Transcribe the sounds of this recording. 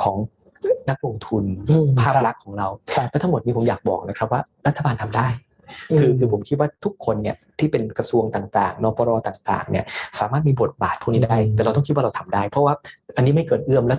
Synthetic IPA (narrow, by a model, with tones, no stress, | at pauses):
kʰɔː˩˦ŋ | na˦˥k̚lo˧ŋt̪ʰu˧npʰaː˥˩p̚la˦˥kʰːɔː˩˦ŋɾa˧wlɛ˦˥t̪ʰa˧˥ŋmo˨˩t̪̚i˦˧pʰo˩˦mjaː˨˩k̚bɔ̰ː˨˩k̚na˦˥kʰɾa˦˥p̚waː˥˩ɾa˦t̪ʰːa˧baː˧nt̪ʰa˧mdaː˥˩j | kʰɯː˧kʰɯː˧pʰo˩˦mkʰi˦˥t̪̚waː˥˩t̪ʰu˦˥kʰːo˧nːi˥˩t̪ʰiː˥˩pe˧nkɾa˧su˧əŋt̪aː˨˩ŋt̪aː˨˩ŋnɔː˨˧˥pɔː˧ɾɔː˧t̪aː˨˩ŋt̪a̰ː˨˩ŋnḭ˥˩ɐsaː˩˦maː˥˩t̪̚miː˧bo˨˩t̪̚baː˨˩t̪̚pʰuː˥˩niː˦˥daː˥˩jt̪ɛ˨˩ɾwt̪ɔ˥ŋk̪̚ʰwa˥˩ɾa˧wt̪ʰa˧mdaː˥˩jpʰɔ˦˥waː˥˩ʔa˧nːiː˦˥ma˥˩jkɤː˨˩t̪̚ʔɯ˥˩əmlɛː˦˥w